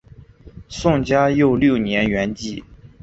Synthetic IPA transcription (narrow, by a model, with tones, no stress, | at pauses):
sʊ˥˩ŋt͡ɕja˥jo˥˧ʊljo˥˩ʊnjɛ˧˥nɥɛ˧˥nt͡ɕi˥˩